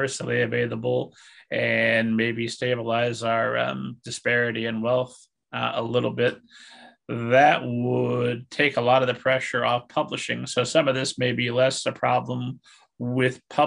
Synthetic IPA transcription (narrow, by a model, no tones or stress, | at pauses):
ɜ˞sl̩ˠiɨveɪlˠəbl̩ˠɨ̃nmeɪbisteɪbəlaɪzaə˞ʌ̰̃md̥ɨspɛɹɨɾiɨ̃nwɛlˠθ | əlɪɾl̩ˠbɪt̪̚ | ðɨʔ̚wəd̚tʰeɪkəlɔɾʌvðɨpʰɹ̥ɛʃə˞ʔəv̥pʰʌbləʃɪ̰̃ŋsoʊsʌ̃mʌvðɪsmeɪbilɛsɨpʰɹ̥ɑblə̃m | wɪð̥pʰʌ